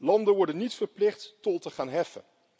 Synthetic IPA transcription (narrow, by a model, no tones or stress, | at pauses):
lɑndəʋɔɹdənːitfəɹplɪχtːɔlˠtəχaːnɦɛfə̰n